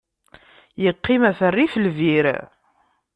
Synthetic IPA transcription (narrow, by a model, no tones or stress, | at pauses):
jəqːɪmæθərːiflviɾ̰